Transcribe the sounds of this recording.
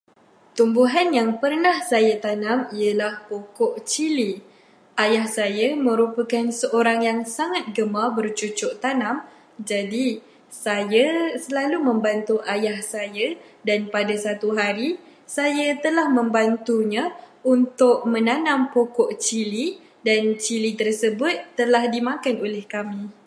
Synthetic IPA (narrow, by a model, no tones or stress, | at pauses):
t̪umbuɦanjaŋpərnahsajat̪anãmiəlahpokɔʔt͡ʃili | ajahsajamə̃ɾupəkansəʔoɾaŋjaŋsaŋat̪̚ɡəmabərt͡ʃut͡ʃʊʔt̪anãm | d͡ʒadi | sajasəlalumə̃mbant̪uʔajahsajadanpadasat̪uɦaɾi | sajat̪əlahmə̃mbant̪uɲa | unt̪ʊʔ̚mə̃nanãmpokɔʔt͡ʃili | dant͡ʃilit̪ərsəbʊt̪ːəlahdimãkanolɛhkamĩ